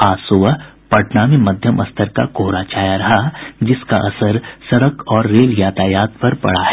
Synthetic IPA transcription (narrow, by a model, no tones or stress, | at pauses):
aːsʊʋ | pɐʈnaːmimɐd̪ʱjəmʔɐst̪ʰəɾka̰koːɾat͡ʃaːjaɾɐɦad͡ʒɪska̰ʔɐsəɾsɐɽəkɔːɾːeːljaːt̪aːjaːt̪̚pɐɾpɐ̰ɽaɦɛ